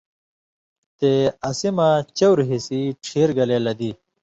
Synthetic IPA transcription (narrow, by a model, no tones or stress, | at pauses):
t̪eɐsimat͡ɕɐwɾɦisiʈʰeːɾɡɐlelɐd̪i